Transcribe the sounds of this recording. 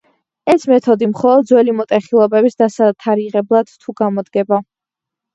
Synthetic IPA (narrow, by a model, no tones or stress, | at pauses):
ɛsmɛt̪ʰɔd̪imχɔlˠɔd̪̚zwɛlimɔt̪ʼɛχilˠɔbɛbisd̪asat̪ʰaɾiʁɛblˠad̪̥t̪ʰːuɡamɔd̪ɡɛba